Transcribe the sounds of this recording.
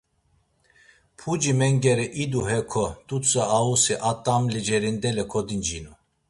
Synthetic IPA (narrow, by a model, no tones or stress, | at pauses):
pʰud͡ʒimɛŋɡɛɾɛʔid̪uɦɛkʰɔt̪ʼut͡sʼaausiʔat̪ʼamlid͡ʒɛɾind̪ɛlɛkʰɔd̪ind͡ʒinu